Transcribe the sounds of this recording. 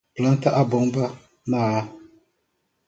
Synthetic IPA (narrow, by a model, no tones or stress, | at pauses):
plantaʔabʊŋba | maː